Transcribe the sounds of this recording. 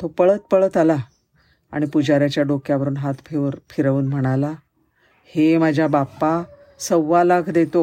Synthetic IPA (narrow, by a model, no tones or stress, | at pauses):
t̪opəɭət̪̚pəɭət̪ala | a̰ɽ̃ipud͡ʑaɾjat͡ɕjaɖokjaʋəɾuːnɦat̪fʰeʋəɾfʰiɾəʋuːnm̤əɽ̃ala | hemad͡ʑʱjabapːa | səʋːalaɡʱd̪et̪o